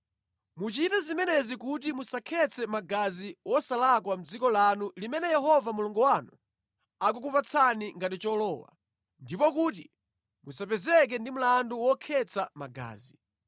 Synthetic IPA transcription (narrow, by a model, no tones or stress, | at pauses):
mut͡ʃitɛzimɛnɛzikut̬imusakʰɛt͡sʰɛmaɡaziwɔsalakwam̩d͡zikɔlanulimɛnɛjɛɦɔvamuluŋɡɔwanu | ak̬ukupat͡sʰaniŋɡat̬it͡ʃɔlɔːwa̰ | ndipɔkuːt̬i | musapɛzɛk̬ɛndim̩landuwɔkʰɛt͡samaɡa̰ːzi